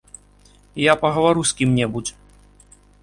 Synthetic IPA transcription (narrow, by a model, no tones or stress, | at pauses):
japɐɣɐvaɾusʲkʲimnʲɛbud͡zʲ